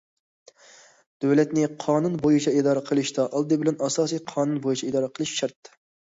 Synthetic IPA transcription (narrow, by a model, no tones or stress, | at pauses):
d̪̥øwlɛt̪nɪqʰɑːnunbojut͡ʃʰɑid̪ɑːɾəqʰəlˠɨʃd̪ɑʔɑlˠd̪ɨbɪlɛnɑsɑːsijqʰɑːnunbojut͡ʃʰɑid̪ɑːɾəqʰəlˠɨʃʃɑɾt̪ː